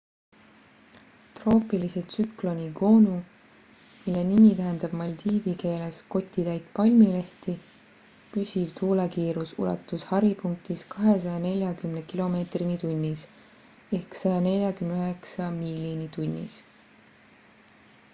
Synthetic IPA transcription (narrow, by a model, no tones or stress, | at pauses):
t̪ro̞ːpˑiliset̪syklo̞nʲiɡo̞ːnu | milːe̞nimit̪æɦend̪̥ɑb̥mɑlʲt̪iːvike̞ːlesko̞t̪ʲːˑit̪æjt̪pɑlʲmile̞ht̪i | pysʲivt̪ʰuːlekiːɾusṵlɑ̰t̪ːˑushɑɾipuŋk̚t̪iskɑɦe̞s̬ɑjɑne̞lʲjɑkymnekilo̞me̞ːt̪rinit̪unʲːis | e̞hksɑjɑne̞lʲjɑkymneøɦeksɑmilʲinit̪unʲːḭs